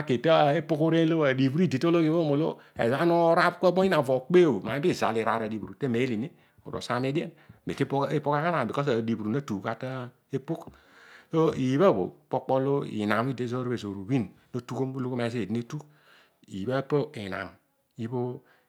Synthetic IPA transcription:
a˨ke˨ta˦˨e˦po˦ku˦ɾe˦lo˦a˨di˨bu˦ɾi˦˨de˨to˦lo˦ki˦bo˦mo˨lo̰˦ | ḛ˨za˦no˦ɾa˦bko˦bo˦i˦na˨vo˨k͡pe˦˨o˨ma˨˦bi˦˨za̰˨li˨ɾa˨ɾa˨di˨bu˨u˨te˦˨me˨˦li˨ni˦ | o̰˨ɾo̰˨sa˦me˦di˦e˦n | be˨te˦pe˦po˦ka˦ka˦na˨bi˨ko˦s̬a˨di˨bu˨ɾu˨na˦tu˨ka˦ta˦ | e˦pu˦k | so˦i˨βa˦˨bo̰˨k͡po˦k͡po˦lo˦ḭ˨na˨m˦i˦˨de˦zo˦ɾbe˨zo˨ɾu˨wi˦nno˦tu˦ko˦mu˦lo˦ko˦ma˨ze˦e˨di˦ne˦tu˦k | ḭ˨ba˦po˦i˨na̰˨m | i˦bo˦

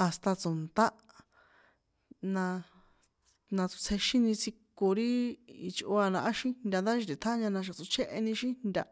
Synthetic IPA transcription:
a˨st̪a˧t͡so˨nt̪a˦ | nã˧ | nã˧t͡su̥˧t͡sʰe˧ʃĩ˦nĩ˧t͡si˧ko˧ɾi˦i˧t͡ʃʔo˧a˧nã˧ʔa˦ʃĩ˦nd̪ʲa˧nd̪a˦ʃi˧t̪i˨t̪ʰa˦ɲã˧nã˧ʃ̬a˨t͡su˧t͡ʃʰe˦ʔe˧nĩ˧ʃĩ˦nnd̪ʲa˧

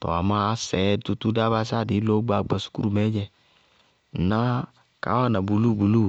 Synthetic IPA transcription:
tɔ̰˨a˨ma˦sɛ˨˦tu˧tu˦da˦ba˧˦s̬a˦˨di˨˦lo˦ɡ͡ba˨ɡ͡ba˨su̥˦ku˦ɾu˧˨mɛ˨˦d͡ʒɛ˧˨ | na˦ | ka̰˨˦wa˦˨na˨bu˨lu˦˨bu˨lu˦˨

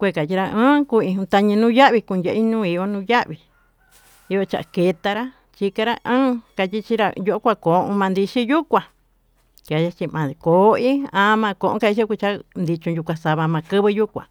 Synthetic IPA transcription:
kʷe˧˨ka˨t͡ʃi˧ɾa˧ɨ̃ː˦ku˧ĩ˧ũ˧t̪a˧ɲĩ˧nũ˦ja˦ʔβi˧ku˧njʲe˧ʔi˦nũː˦i˧jo˧nũː˦ja˦ʔβi˧ | i˧jo˧t͡ʃa̰˨ʔa˧ke˧t̪a˧ɾa˦ | t͡ʃi˧ka˧ɾa˧ʔɨ̃ː˦ka˧t̪ʲi˧t͡ʃi˧ɾa˧jo˧ʔo˦kʷa˧ko˨ʔõ̰˧mã˧nd̪i˧ʃi˦ju˦kʷã˨ | t͡ʃa˨ja˧t͡ʃi˧mã˨ko˨˦ĩ˦ã˧˦mã˧ko˧ʔõ̰˧˦ka˧i˧˦ʃi˦kʷu˧t͡ʃa˦nd̪i˧t͡ʃũ˧ju˧kʷã˧sa˧βa˧mã˧kɨ˦βɨ˧ju˦kʷã̰˨

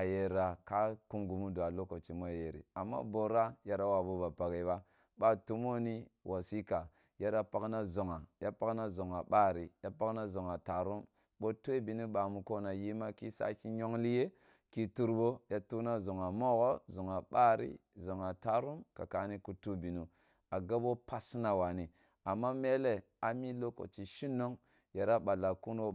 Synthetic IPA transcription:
a˨je˨ɾa˨ka˦ku˦mɡu˨mu˦du˨a˨lo˦ko˨t͡ʃi˨mo˦ja˨je˨ɾḭ˨a˨mːa̰˦bo˨ɾa˦ja˦ɾa˦wa˨bo˦ba˨pa˨ɡe˨ba˦ | ba˦tu˦mo˦ni˦wʔa˨si˦ka˨ | ja˦ɾa˦pa˦kna˦zo˨ŋa˨ja˦pa˦kna˦zo˨ŋa˨ɓa˦ɾi˨ja˦pa˦kna˦zo˨ŋa˨ta˨ɾu˦m | ɓo˦tu˦e˦bi˨ni˦ɓa˨mu˨ko˦na˨ji˦ma˦ki˦sa̰˦ki˦ɲo˦ŋli˦je˦ | ki˦tu˦ɾbo˦ja˦tu˦na˦zo˨ŋa˨mo˦ɣo˦zo˨ŋa˨ɓa˦ɾḭ˦ | zo˨ŋa˨ta˨ɾu˦mka˨ka˨˦ni˦ku˦tu˦bi˨nu˨ | a˨ɡa˦bo˦pa˦sna˦wa˨ni˨ | a˨mːa˦me˦le˦ | a˨mi˦lo˦ko̰˨t͡ʃi˨ʃi˦nːo˦ŋ | ja˨ɾa˦ɓa˨la˨ku˦nwo˦

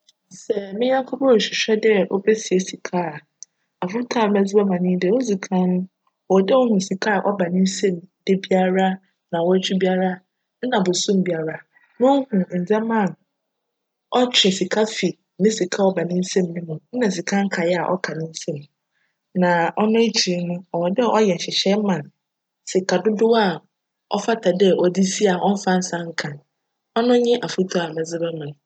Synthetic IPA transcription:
sɛ˨mɪ̃˦ɲã˦ŋkʰɔ˦bɕᶣi˨ɕᶣɛ˦dɛ˦ʔo̰˦bɛ˦si˨e˨si˨kʰa˦˨ | a˨fʊ˦tʰa˦˨˦mɛ˦zɪ˦ɛ˦mã˨nɪ̃˦dɛ˦wo˦d͡zi˨kʰã˦nʊ̃˦ | ɔ˨dɛ˦wɔ˦hũ˨si˨kʰa˦a˨ʔɔ˦ba˨nɪ̃˦n̩˦sɛ̃˦˨mdɪ˦bi˦a˦ɾa˦ | nã˨wɔ˦æ˦t͡ɕʰᶣi˦bi˦a˦ɾa˦ | n̩˦nã˨bʊ˨sũ˦m˨bi˦a˦ɾa˦ | nʊ̃˦hũ˨n̩˨d͡zɛ˦mã˦˨n | ɔ˦t͡ɕʰᶣɪ˨si˨kʰa˦fi˨ | nɪ̃˦si˨kʰa˦ɔ˦ba˨nɪ̃˦n̩˦sẽ˦mnĩ˦mũ˨n̩˦nã˨si˨kʰã˦ŋ̩˦kʰa˨jɛ˦a˨ʔɔ̰˦kʰa˨nɪ̃˦n̩˦sẽ˦m | nã˨ɔ˦nʊ̃˦e˦t͡ɕʰi˨˦nʊ̃˦ɔ˨wɔ˨dɪ˦a˨ʔɔ˦jɛ˨ɕɪ˨ɕɛ˦mã˨n | si˨kʰa˨dʊ˦dʊ˦a˦˨ | ɔ̰˦fa˦tʰa˨dɛ˦ʔɔ˨di˦si˦a˨ʔɔ˦m̩˦fa˦n̩˦sã˦ŋ̩˦kʰã˨n | ɔ˦nʊ̃˦ɲɪ̃˦ʔa˨fu˦tʰu˦a˨mɛ̃˨zɪ˦bɛ˦mã˨n˨

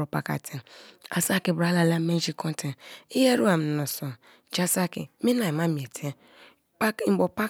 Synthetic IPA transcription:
o˨pa̰˨ka̰˨tʰe˨a̰˨sa˦˨ki˨bɾa˨˦la˨la˦me˦d͡ʒi˨kʰɔ˦n˦tʰe˨i˦je˦ɾu˦a˨m̩˨nɔ˨so˨ | d͡ʒa˦sa˦kḭ˨mi˦na˨i˨ma˦mi˨e˨tʰe˦ | bo˨pa˦

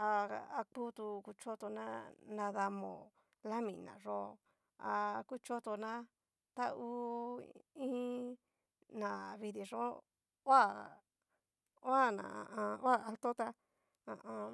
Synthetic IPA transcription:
a˧a˧ku˦t̪u˧ku˧t͡ʃo˦t̪o˧nã˦nã˧ða˧mõ̰˨ | la˦mĩ˨nã̰˨ʐo˦ | a˧ku˦t͡ʃo˦t̪o˧nã˦ | t̪a˦u˧ | ĩ˦ | nã˨βi˧ði˧ʐõ˦ | wa˦˨ | o˦a˦˨nã̰˨ʔã˧wa˦˨a˧lt̪o˦t̪a˧ | ã˨ʔã˧

